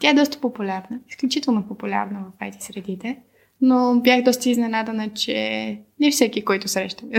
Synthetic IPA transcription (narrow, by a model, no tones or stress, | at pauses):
t̪jaɛd̪ɔst̪ə̥populʲaɾnəisklʲut͡ʃit̪ɛlˠnopopulʲa̰ɾnəvɐfa̰jt̪isɾɛd̪it̪ɛ | nobjaxd̪ɔst̪əiznɛnad̪ənət͡ʃɛnɛfsɛkikɔjt̪ʊsɾɛʃt̪əm